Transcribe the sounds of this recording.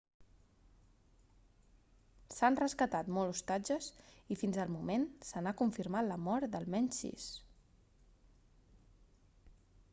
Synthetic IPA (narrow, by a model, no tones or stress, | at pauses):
sanrəskət̪at̪mɔlust̪ad͡ʒəsifinzəlˠmumensənakuɱfiɾmaləmɔɾd̪əlˠmɛɲsḭs